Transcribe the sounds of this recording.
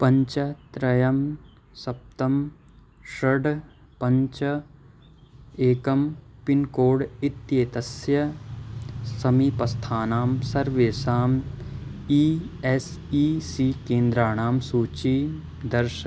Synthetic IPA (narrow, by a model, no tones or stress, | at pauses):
pɐ̃ɲt͡ʃɐt̪ɾɐjɐm | sɐp̚t̪ɐm | ʃɐɖ | pɐ̃ɲt͡ʃɐ | eːkɐmpɪnkoːɽɪt̪jeːt̪ɐsjɐ | sɐmipɐst̪ʰaːnaːmsɐɾʋeːsaːm | iːes | iːsiːkẽːnd̪ɾaːɽ̃aːmsuːt͡ʃi | d̪ɐɾʃɐ